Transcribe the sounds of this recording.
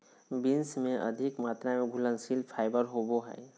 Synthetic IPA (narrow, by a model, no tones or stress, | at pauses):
binsmẽʔə̰d̪ʱikmaːt̪ɾamẽɡʱʊlənsilpʰaːɪbəɾɦoboɦɛ̰ː